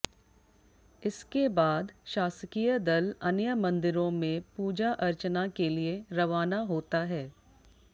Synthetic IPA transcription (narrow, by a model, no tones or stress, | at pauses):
ɪskebaːd̪ʃaːsəkijəd̪ɐlɐnjəmɐ̃nd̪ɪɾõmẽpuːd͡ʒaʔɐɾt͡ʃnakelieɾɐʋaːnaɦoːt̪aɦɛː